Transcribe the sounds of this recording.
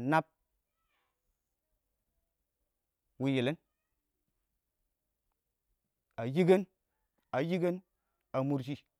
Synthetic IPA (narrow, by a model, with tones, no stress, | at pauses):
na˦p̚ | wi˦je˨le˦n | a˨ji˦ɡe˦n | a˨ji˦ɡe˦n | a˨mu˦ɾd͡ʒi˦